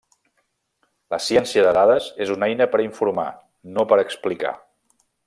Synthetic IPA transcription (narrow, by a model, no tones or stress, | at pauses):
ləsiɛnsiəðəðaðəzezunɛjnəpəɾiɱfuɾma̰ | nopəɾəksplika̰